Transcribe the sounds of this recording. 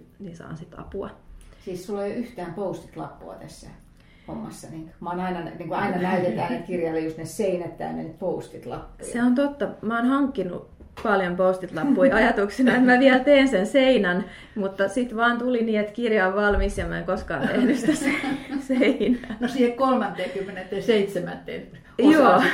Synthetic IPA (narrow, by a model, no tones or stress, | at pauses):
ninsɑ̰ːnsit̪ɑ̰puɑ̰siːssulːojoyht̪æːmpoust̪i̥t̪lɑ̰pːṵɑ̰t̪æsːæ̰ | homːɑsːɑniːŋkmɑoːnɑinɑnniːŋkuɑinɑnæyt̪et̪æːnekirjɑlːejost̪neseinæt̪ːæ̰ːnnḛnyt̪poust̪it̪lɑ̰pːuseont̪ot̪ːɑmæoːnhɑŋkːinṵ | pɑljompoust̪it̪lɑpːuiɑjɑt̪uksinɑet̪mæʋiælt̪eːnsenseinɑn | mut̪ːɑsit̪ʋɑːnt̪uliniːet̪kirjɑoʋʋɑlmisjɑmæeŋkoskɑ̰ːnt̪ehnysi̥t̪æseseinænosiːhekkolmɑnt̪ːˑeːkymːenet̪ːeːseit̪semæ̰t̪ːḛːt̪ | joː